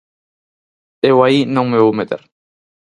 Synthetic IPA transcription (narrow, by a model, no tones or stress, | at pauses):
ewainõŋmeumet̪ḛɾ